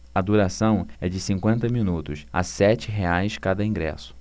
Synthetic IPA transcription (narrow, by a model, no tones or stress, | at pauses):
ɐd̪uɾasɐ̃w̃ɛd͡ʒɪsĩŋkwẽnt̪ɐmĩnut̪ʊsa̰sɛt͡ʃɪɦeajskad̪ɐĩɡɾɛ̰sʊ̥